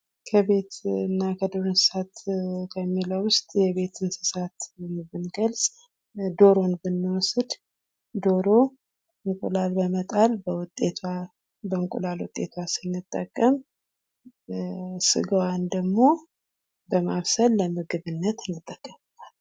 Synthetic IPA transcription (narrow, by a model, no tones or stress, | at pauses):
kʰəβe̞t̪ɨnːakʰəd̪o̞ɾonsɨsat̪kʰəmːiləwʊst̪ʼjɛβe̞t̪ʰɨnsɨ̥sat̪nbɨnɡəlsʼ | d̪o̞ɾo̞nbɨnːɨwɔsɨd̪ | d̪o̞ɾo̞ | ɨŋkʼṵlalbəmət̪ʼalbəwʊt̪ʼːet̪ʰa | bəɨŋkʼṵlalwʊ̰t̪ʼːe̞̰t̪ʰwasɨnːɨt̪ʼːəkʼːəm | sɨ̰ɡəwand̪əɡmo̞ | bəmaβsəlləmɨɡɨβɨnːət̪ɨnːɨt̪ʼːəkʼːəmɨt̪al